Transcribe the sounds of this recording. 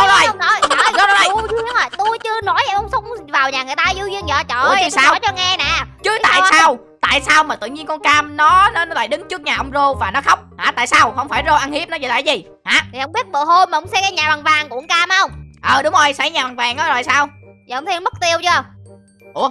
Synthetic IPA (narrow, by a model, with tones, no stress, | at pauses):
ɔ˨˧ɔ˧˩jnɔ˨˦jn˨˦jɔ˨˦ɔ˨˦˧ə˧ŋɔ˨˩jt̪u˧jt͡ɕɨ˧ənɔ˨˦jʔɛ˧˩ʔə˧wŋ͡msə˨˦wŋ͡mŋ͡mvaː˨˩wɲaː˨˩ŋɨ˨˩əjt̪aː˧zu˧vi˧əŋzɔ̰˧˨t͡ɕɔ˧˨˧saː˧wt͡ɕɔ˧ŋɛ˧na̰ː˨˩t͡ɕɨ˨˦t̪a̰ː˧˨saː˧w | t̪a̰ː˧˨jsaː˧wmaː˨˩t̪ɨ̰˧˨ɲi˧əŋkɔ˧nkaː˧mnɔ˨˦nɔ˨˦nɔ˨˦la̰ː˧˨jɗɨ˨˦ŋt͡ɕɨ˦˥ək̚ɲaː˨˩ʔə˧wŋ͡mzo˧vaː˨˩nɔ˨˦xə˦˥wk͡p̚haː˨˩t̪a̰ː˧˨jsaː˧whə˧wŋ͡mfaː˧˩jzo˧ʔa˧nhi˦˥p̚nɔ˨˦t͡ɕḭ˧˨˩la̰ː˧˩jzi˨˩ | haː˨˦t̪ʰi˨˩hə˧wŋ͡mɓi˦˥ət̚ɓəː˧˨ɦo˧jmaː˨˩hə˧˦wŋ͡msɛ˧kaː˨˦ɲaː˨˩a˨˩ŋvaː˨˩ŋkṵ˧˩˥ŋ͡mkaː˧m˦hə˧wŋ͡mʔəː˨˩ɗʊ˨˦ŋ͡mʔo˧jsa˧˩jɲaː˨˩ɓa˨˩ŋvaː˨˩ŋʔɔ˨˦zɔ̰˨˩jsaː˧wi˨˧wŋ͡mt̪ʰi˧nmə˦˥k̚t̪i˧əwt͡ɕɨ˧ə | ʔu˧˩ə